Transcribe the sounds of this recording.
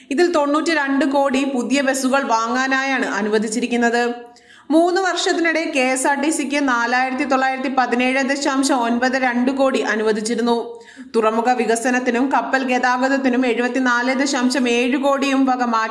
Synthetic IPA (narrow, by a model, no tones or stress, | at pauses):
iðilt̪o̞ɳːuːtːɨɾe̞ɳɖɨko̞ːɽipuðjɐʋe̞suɣɐɭʋaːŋːaːnaːjaːɳɨʔɐnuʋɐd̪ʱit͡ɕːiɾikʲːunːɐðɨ | muːnːɨʋɐrʂɐt̪ːinuɽe̞ke̞ːsaːrʈːisikʲːɨnaːlaːjiɾt̪̬ːit̪o̞ɭːaːjiɾɐt̪ːipɐðine̞ːɻɨd̪eɕaːmɕɐmo̞nbɐðɨɾe̞ɳɖɨko̞ːɽiʔɐnuʋɐd̪ʱit͡ɕːiɾun̪ːu | t̪urɐmuɣɐʋiɣɐsɐnɐt̪ːinumkɐpːɐlkeːðaːɡɐðɐt̪̬ːinume̞ɻubɐt̪ːinaːlɨd̪eɕaːmɕɐme̞ːɻɨko̞ːɽijumʋʱɐɡɐmaː